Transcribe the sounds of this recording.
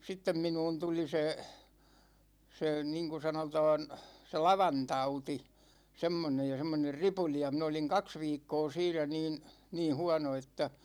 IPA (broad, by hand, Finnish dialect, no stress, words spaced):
sitːem minuːn tuli se se niŋku sɑnotɑːn se lɑʋɑntɑuti semːonej jɑ semːoner ripuli jɑ min oliŋ kɑks ʋiːkːoː siːnæ niːn niːn̞ huɑ̝no etːæ